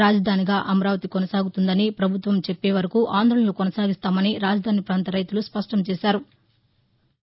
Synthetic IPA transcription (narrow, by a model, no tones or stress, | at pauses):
ɾaːd͡ʒɐd̪ʱaːniɡaːʔɐmɐɾaːʋɐt̪ikonɐsaːɡut̪und̪ɐnipɾɐbʱut̪ʋɐmt͡ʃepːeːʋɐɾɐkuʔaːnd̪ʱɾoɭɐloːkonɐsaːɡist̪aːmɐniɾaːd͡ʒɐd̪ʱaːnipɾaːnt̪ɐɾɐjt̪uluspɐʂʈɐmt͡ʃɛːʃaːɾu